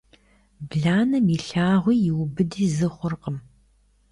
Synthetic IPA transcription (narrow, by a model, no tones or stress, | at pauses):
bɮaːnɐmiɬaːʁʷiːjɪwʊbɨdiːzɨχʷʊrqəm